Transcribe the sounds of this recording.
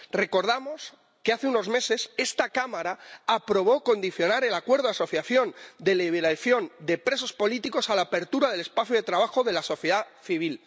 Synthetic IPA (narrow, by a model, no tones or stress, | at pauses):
re̞ko̞ɾð̞amo̞s | ke̞aθeuno̞zme̞se̞se̞st̪akamaɾaːpɾo̞β̞o̞ko̞nd̪iθjo̞naɾe̞lakwe̞ɾð̞oaso̞θjaθjo̞nd̪e̞liβeɾaθjo̞nd̪e̞pɾe̞so̞spo̞lit̪iko̞salaːpe̞ɾt̪uɾaðe̞le̞spaθjuðe̞t̪ɾaβ̞axo̞ðe̞laso̞θjeða | θiβ̞il